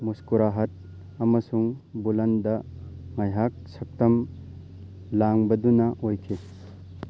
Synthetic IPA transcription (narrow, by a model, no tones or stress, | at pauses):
muskuɾaɦɐt̚ | ɐmɐsuŋbulɐndɐŋajɦak̚sɐk̚tɐm | laŋbɐdunɐʔojkʰe